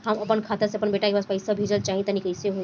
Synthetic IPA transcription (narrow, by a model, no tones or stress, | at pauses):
ɦəməpənkʰat̪əseəpənbeʈakebaspəjsabʱid͡ʒəlt͡ʃaːɦĩt̪ənikəjseɦo